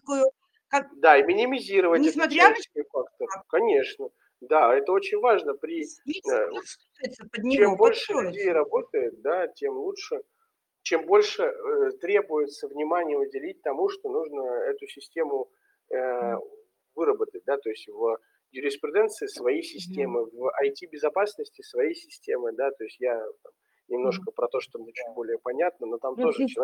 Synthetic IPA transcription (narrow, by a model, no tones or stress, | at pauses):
kojʊ | kad̪aimʲɪnʲɪmʲɪzʲiɾəvətʲɛaskəjfakt̪əkɐnʲe̞ʂnə | d̪aɛt̪əo̞t͡ɕɪnʲvaʐnəpɾʲɪ | t̪səəd̪ʲnʲt͡ɕembo̞lʲʂʂɨlʉdʲejɾɐbo̞t̪əjɪt̪̚d̪atʲemlˠutʂɨ | t͡ɕe̞mbo̞lʲʂɨt̪ɾʲe̞bʊjɪt̪səvnʲɪmanʲɪjəʊdʲɪlʲit̚ʲt̪ɐmuʂt̪o̞nuʐnəɛt̪ʊsʲɪsʲtʲe̞mʊ | ə | vɨɾəbət̪ət̚ʲd̪at̪o̞ɪsʲtʲvə | jʊɾʲɪspɾʲɪd̪ɛnt̪sɨɪsvɐjisʲɪsʲtʲe̞mɨvɐjtʲibʲɪzɐpasnəsʲtʲɪsvɐjijsʲɪsʲtʲe̞mɨd̪at̪o̞ɪsʲtʲjat̪am | nʲɪmn̪o̞ʂkəpɾɐt̪o̞ʂt̪omnʲet͡ɕut̚ʲbo̞lʲɪjəpɐnʲat̪̚nəno̞t̪amt̪o̞ʐɨt͡ɕɪ